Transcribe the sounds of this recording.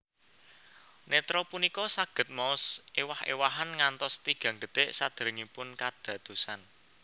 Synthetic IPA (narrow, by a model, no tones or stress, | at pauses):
net̪ɾɔpunikɔsaɡ̥ə̤t̪̚mɔsʔewahḛwaɦanŋant̪ɔst̪iɡ̥ä̤ŋɡət̪eʔsad̪̥əɾəŋipʊnkad̪̥ä̤d̪̥o̤san